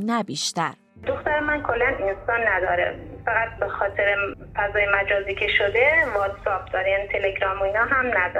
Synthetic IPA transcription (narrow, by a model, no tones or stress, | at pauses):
næbiːʃt̪æɾ | d̪oxt̪æɾemænkʰo̞lːæninsɒːnːæd̪ɒːɾḛfæɣæt̪̚bexɒːt̪ʰeɾe | fæzɒːjemæd͡ʒɒːziːcʲʰe̞ʃod̪evɒt̪sɒːb̚d̪ɒːɾejæːnit̪ʰeleɡɾɒːmoinɒːɦæmnæd̪ɒ